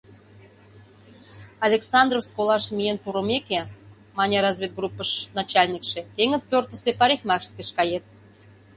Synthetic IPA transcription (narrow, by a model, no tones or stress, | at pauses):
ɑlʲeksɑnd̪rofskolɑʃmʲijenpuɾəmeke | mɑnʲeɾɑzvʲet̪̚ɡrupːəʃnɑt͡ɕɑlʲnʲikʃĕt̪eŋəzpʲørt̪ə̆sepɑɾʲexmɑkʃskeʃkɑjet̪̚